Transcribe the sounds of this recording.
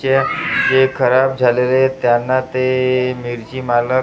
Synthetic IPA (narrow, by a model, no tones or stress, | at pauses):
ed͡ʑekʰəɾab̚d͡zʱalelet̪janːat̪emiɾd͡ʑimalə